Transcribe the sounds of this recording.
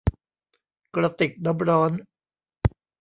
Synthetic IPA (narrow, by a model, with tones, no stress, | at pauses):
kɾa˧t̪i˨˩k̚da˦˥m̚ɾɔː˦˥n